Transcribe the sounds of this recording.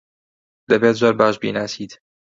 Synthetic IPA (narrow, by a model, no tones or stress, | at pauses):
d̪ɐbeːt̪̚d͡ʒaːɾbaːʃbḭːnaːsiːd̪